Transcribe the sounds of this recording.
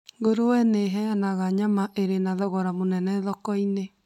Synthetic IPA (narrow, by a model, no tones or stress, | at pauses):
ŋɡoɾowɛneɦɛanaɣaɲamaʔeɾenaðɔɣɔɾamonɛnɛðɔkɔine